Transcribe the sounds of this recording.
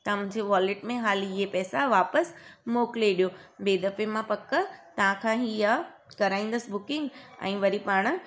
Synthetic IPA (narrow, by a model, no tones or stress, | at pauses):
t̪ɐãmʊ̃ːɲd͡ʑeʋaːleʈmẽɦaːliepɛːsaʋaːpəsmoːkleɗijoːbeːd̪ɐfemãpɐkt̪ɐʋãkʰãːɦijakɐɾaːĩːn̆d̪əsɪbʊkɪ̃ŋɡɛ̰̃ːʋɐɾipaːɽ̃ʊ̆